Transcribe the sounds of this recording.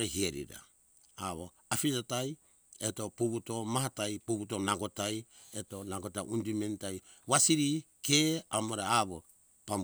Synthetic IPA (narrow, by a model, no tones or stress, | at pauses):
ɾeɦieɾḭɾa̰ | a̰βo̰ | afiɾataj | eto̞pubuto̞maɦatajpubutonaɡotaj | etonaɡotaʔundimentaj | wasiɾikeamoɾaaβo | pam